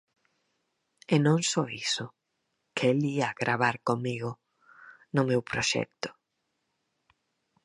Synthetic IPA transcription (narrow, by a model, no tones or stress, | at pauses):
enõŋsɔisʊ | keliaɣɾʔaβ̞aɾkomiɣʊ | nʊmewpɾoʃɛ̰k̚t̪ʊ̥